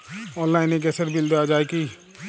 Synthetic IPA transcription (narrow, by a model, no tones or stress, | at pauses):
ɔːnlaːɪnek̬ɛsəɾbɪld̪aːd͡ʒaːeki